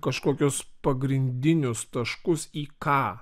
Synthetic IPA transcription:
kɐʃkoːkʲʊspɐɡɾʲɪnʲd̪ʲɪnʲʊst̪ɐʃkʊsiːkɑː

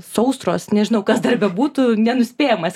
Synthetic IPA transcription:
sɐʊst̪ro̰ːsnʲɛʒʲɪnɐʊkɐsd̪ɐrbʲɛbuːt̪ʊnʲɛnʊsʲpʲeːjɛmɐs

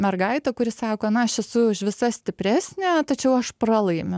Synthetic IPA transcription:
mʲɛrɡɐɪt̪ɐkʊɾʲɪsɑːkoːnɐɐʃɛsʊʊʃʋʲɪsɐsʲt̪ʲɪpʲɾʲæːsʲnʲæːt̪ɐt͡ʃʲɛʊɐʃprɑlˠɐɪmʲʊ

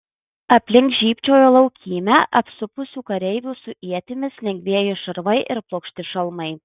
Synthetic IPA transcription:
ɐpʲlʲɪŋksʒʲiːpʲt͡ʃʲoːjoːlˠɒʊkʲiːmʲæːʔɐpsʊpʊsʲuːkɐɾʲɛɪʋʲuːsʊʔiɛt̪ʲɪmʲɪslʲɛŋʲɡʲʋʲiɛjʊʃɐɾʋɐɪʔɪɾplˠoːkʃʲt̪ʲɪʃɐlˠmɐɪ

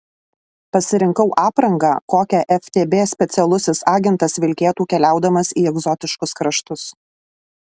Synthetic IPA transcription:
pɐsʲɪɾʲɪŋkɐʊʔɑːpɾɐŋɡɑːkoːkʲɛʔɛfʲt̪ʲeːbʲeːsʲpʲɛt̪sʲɛlˠʊsʲɪsɑːɡʲɪnt̪ɐsʋʲɪlʲkʲeːt̪uːkʲɛlʲæˑʊd̪ɐmɐsiːɛɡzɔt̪ʲɪʃkʊskɾɐʃt̪ʊs

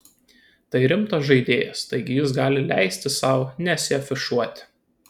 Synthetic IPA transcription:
t̪ɐɪɾʲɪmt̪osʒɐɪd̪ʲeːjɛst̪ɐɪɡʲɪjɪs̬ɡɑːlʲɪlʲæɪsʲt̪ʲɪsɑˑʊnʲɛsʲɪɐfʲɪʃuɔt̪ʲɪ̥

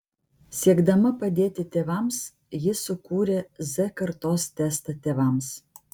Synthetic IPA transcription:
sʲiɛɡd̪ɐmɐpɐd̪ʲeːt̪ʲɪt̪ʲeːʋɐˑms | jɪsʊkuːɾʲeːzʲɛkɐɾt̪oːst̪ʲæst̪ɐt̪ʲeːʋɐˑms

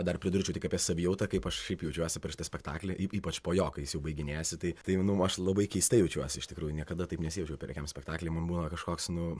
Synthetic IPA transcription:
d̪ɐrpʲɾʲɪd̪ʊɾʲt͡ʃʲɛʊt̪ʲɪkɐːpʲiɛsɐʋʲɪjɛʊt̪ɐkɐɪpɐʃʃʲɛɪpjɛʊt͡ʃʲuɔsʲɪpʲɛɾʃʲɪt̪ɐsʲpʲɛkt̪ɑ̰ːklʲeːʔiːiːpɐt͡ʃpoːjoːkɐjɪsjɛʊbɐɪɡʲɪnʲæːsʲɪt̪ɐɪt̪ɐɪnʊɐʃlˠɐbɐɪkʲɛɪst̪ɐjɛʊt͡ʃʲuɔsʲɪɪʃt̪ʲɪkɾuːjʊnʲiɛkɐd̪ɐt̪ɐɪpnʲɛsʲɪjɛʊt͡ʃʲɛʊpʲɛɾʲɛkʲɛmsʲpʲɛkt̪ɑːklʲɛɪmɐnbuːnɐkɐʃkoːksnʊ

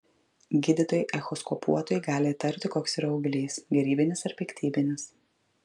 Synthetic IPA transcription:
ɡʲɪd̪ʲɪt̪oːjɪʔɛxɔskɔpṵɔt̪oːjɪɡɑːlʲɪt̪ɐɾʲpt̪ʲɪkoːksʲɪɾɐʊɡʲlʲiːsɡʲɛɾʲiːbʲɪnʲɪsɐɾpʲɛkʲt̪ʰʲiːbʲɪnʲɪs

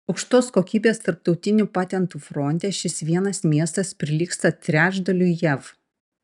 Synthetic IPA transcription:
ɐʊkʃt̪oːskoːkʲiːbʲeːst̪ɐɾp̚t̪ɒʊt̪ʲɪnʲupɑːt̪ʲɛnt̪uːfɾɔnʲt̪ʲeːʃʲɪsʋʲiɛnɐsmʲiɛst̪ɐspʲɾʲɪlʲiːkst̪ɐt̪ʲɾʲæːʒd̪ɐlʲuːjɛʋ

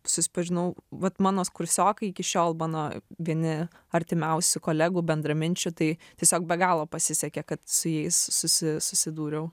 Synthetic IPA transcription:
sʊsʲɪ̥pɐʒʲɪnɐʊʋɐt̪mɑːnoːskʊɾʲsʲoːkɐɪɪkʲɪʃʲoːlˠmɑːnoːʋʲiɛnʲɪ | ɐɾʲt̪ʲɪmʲɛʊsʲʊkoːlʲæːɡuːbʲɛnd̪ɾɐmʲɪnʲt͡ʃʲʊt̪ɐɪt̪ʲiɛsʲoːk̚bʲɛɡɑːlˠoːpɐsʲɪsʲɛkʲɛkɐt̪sʊjɛɪssʊsʲɪsʊsʲɪd̪uːɾʲɛʊ

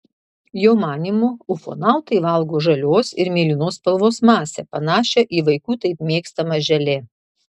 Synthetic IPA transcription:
joːmɑːnʲiːmʊʊfo̰ːnɑˑʊt̪ɐɪʋɐlˠɡoːʒɐlʲoːsɪɾmʲeːlʲɪnoːspɐlˠʋoːsmɑːsʲɛpɐnɑːʃʲɛʔiːʋɐɪkuːt̪ɐɪpmʲeːkst̪ɐmɐʒʲɛlʲeː

